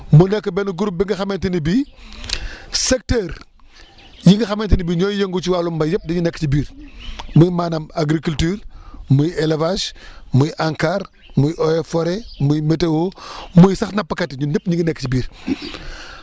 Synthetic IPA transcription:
munɛkːəbɛnuɡuɾup̚biŋɡɐxɐmɛntinibi | sɛk̚tɛːɾ | jiŋɡɐxɐmɛntinibiɲɔːjjeŋɡut͡ʃiwaːlumbɐjɐp̚diɲunɛkːcibiːɾmujmaːnɐmaɡɾikultyːɾmujɛlevasmujʔaŋkaːɾ | mujʔɔɛfɔɾemujmɛtewomujsɐxnɐpːɐkɐtːiɲunɛp̚ɲiŋɡənɛkːət͡ʃibiːɾ

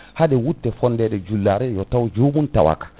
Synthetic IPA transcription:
haɗɛwutːɛfɔndɛɗɛd͡ʒulːaɾɛjɔtawd͡ʒoːbunta̰wa̰kḁ

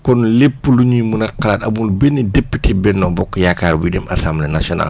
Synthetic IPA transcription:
kɔnlepːuluɲumunɐkalatɐ̰bulbɛnidepːitʰɛbɛnːɔbɔkːɔjakaːɾbudɛmasamlɛnasiɔna̰l

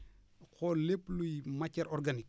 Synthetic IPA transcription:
xɔleplujmɐcːɐɾʔɔrɡanik̚

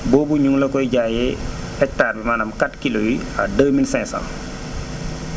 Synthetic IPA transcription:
bɔːbuɲuŋlɐkɔjɟaːjɛ | ɛk̚taːɾbimaːnɐmkatkilowiɐdəwminsɛ̃ŋsa̰n

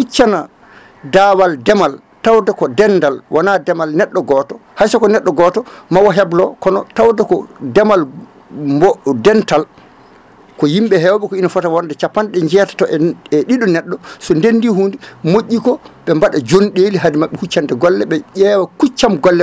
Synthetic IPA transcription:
hut͡ʃːana | dawaldɛmal | tawdakɔdɛndalwʔanadɛmalnɛɗːɔɡɔtɔ | hasakɔnɛɗːɔɡɔtɔmawɔɦɛblɔkɔnɔtawdakɔdɛmal | mbɔdɛntal | kɔjimɓɛɦɛwaɓɛkɔinafɔtawɔndɛt͡ʃapːanɗɛɲd͡ʒɛtḁtɔʔɛɛɗiɗɔnɛɗːɔsɔndendihuːndimoʔʲːikɔɓɛmbaɗad͡ʒonɗeːliɦadimaɓːɛhut͡ʃːandɛɡɔlːɛɓɛʄɛːwakut͡ʃːamɡɔlːɛ

